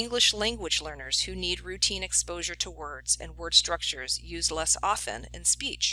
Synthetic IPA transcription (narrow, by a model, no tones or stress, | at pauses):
ɪ̃ŋɡlɨʃlæ̃ŋɡwəd͡ʒlɜ̃˞nə˞z̥hʉnid̚ɹʉtʰĩnɨkspoʊʒə˞tʰəwɜ˞dz̥ɨ̰̃nwɜ˞d̥stɹ̥ʌk̚t͡ʃə˞zjʉzlɛsɑfɨ̰̃nɨ̰̃nspit͡ʃ